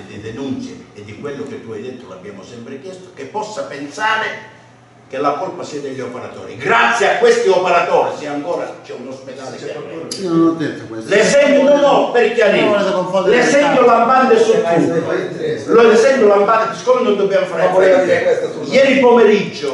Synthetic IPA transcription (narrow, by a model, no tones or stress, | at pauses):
d̪ɪd̪ɪnunt̪sjɪːd̪ːikwelːʊk̟et̪ːuajd̪ɛt̪ːɾʊla̰bːja̰ːmʊsɛmpɾɪk̟jɛst̪ʊ̥kepːɔsːapɛnsaːɾɪ | kɪlakɔlpasiːad̪eʎːiɔpɛɾat̪ɔ̰ːɾḭɡɾat̪sːjeakwest̪iɔpɛɾat̪ɔːɾisɪaŋkɔːɾa̰t͡ʃɛunospɛd̪aːleɛɛnot̪ɛt̪keslesɛnd̪ʊnonɔpeɾkeaɾiɔsakoɱfɔlessɛnd̪ʊlamband̪ɪsut̪ːuolosɛnd̪ʊlamband̪ɪpiskːomɪnond̪obːjamfaɾɛ | jɛːɾipomeɾid͡ʒːʊ